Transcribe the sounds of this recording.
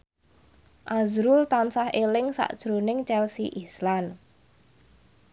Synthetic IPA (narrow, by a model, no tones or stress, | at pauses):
ʔazɾʊlt̪ansahelɪŋsa̰ʔd̥ʒ̥ɾonɪŋt͡ʃɛlsiʔislan